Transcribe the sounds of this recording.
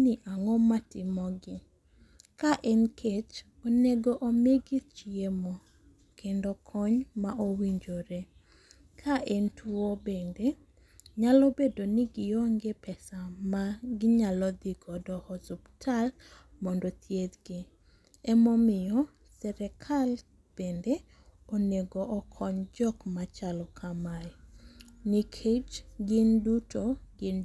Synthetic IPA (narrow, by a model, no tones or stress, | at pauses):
nɪʔaŋɔmatɪmɔɡɪ | kaʔɛnkʰet͡ʃ | oneɡoʔomeɡɪt͡ʃiemɔ | kendokʰɔɲmaʔowiɲd͡ʒoɾe | kʰaʔɛntʰwuobende | ɲalobedonɪɡɪjoŋɡepɛsamaɡɪɲalɔd̪ɪɡɔdɔhɔsubtʰal | mɔndot̪ʰjed̪ɡɪ | ɛmɔmɪjɔ | sɛɾɛkʰal | b̥ende | oneɡoʔɔkʰɔɲd͡ʒɔkmat͡ʃalɔkʰamaj | nikʰed͡ʒɡɪndutʰoɡɪn